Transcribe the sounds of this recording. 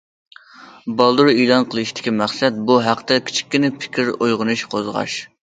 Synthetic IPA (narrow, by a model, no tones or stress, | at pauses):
bɑlˠd̪uɾelˠɑnqʰəlˠɨʃt̪ʰɪ̥kʲimæχsɛt̪̚buɦæqʰt̪ɛkʲʰi̥t͡ʃʰi̥kʲːɪnɪpʰɪ̥kʲiɾojʁənɨʃqʰozʁɑ̰ʃ